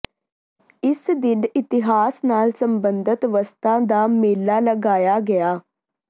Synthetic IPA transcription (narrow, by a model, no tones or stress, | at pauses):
ɪsd̪ɪɖɪt̪ɪɦaːsnaːlsəmbənd̪ət̪ʋəst̪ãːd̪aːmeːlːaːləɡaːjaːɡɪjaː